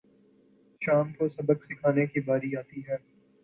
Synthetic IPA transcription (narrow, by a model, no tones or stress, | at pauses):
ʃaːmkosɐbəksɪkʰaːnekibaːɾiaːt̪iɦɛː